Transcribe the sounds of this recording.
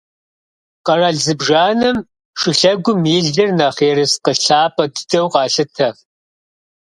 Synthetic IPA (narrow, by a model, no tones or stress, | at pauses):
qɐraɮzɨbʐaːnɨm | ʂɨɬɐɡʷʊmiɮɨrnɐχeːɾɨsqəɬaːpʰʼɐdɨ̥dʰɐwqɑːɬɨtʰɐ